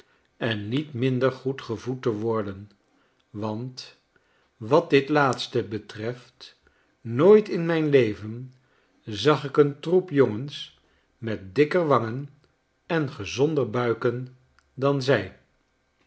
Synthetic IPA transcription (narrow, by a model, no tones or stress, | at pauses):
ɛnːitmɪndəɹχutχəvutəʋɔɹdən | ʋɑnt | ʋɑt̚dɪtlaːtstəbətrɛft | noːjtɪnmɛjnlejvən | zɑχɪkəntrupjoŋəns | mɛt̚dɪkəɹʋɑŋən | ɛnχəzɔndəɹbœɥkən | dɑnzɛj